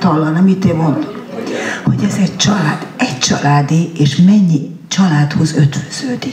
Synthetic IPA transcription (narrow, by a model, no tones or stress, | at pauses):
t̪ɒlːɒnɛmit̪eːmːond̪omhoɟɛzɛɟt͡ʃɒlaːd̪̥ɛct͡ʃɒlaːd̪ieːʃmɛɲːi | t͡ʃɒlaːt̪ho̞zøt̪vøz̥øːd̪i